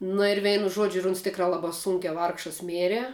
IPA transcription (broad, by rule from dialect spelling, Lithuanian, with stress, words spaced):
nʊ ɪr ˈʋʲɛɪnʊ ˈʒuɔd͡ʒʲʊ ɪr ʊns ˈtʲɪkrɑː ˈlˠɑːbɑː ˈsʊŋʲkʲæː ˈʋɐrkʃɐs ˈmʲeːrʲɛ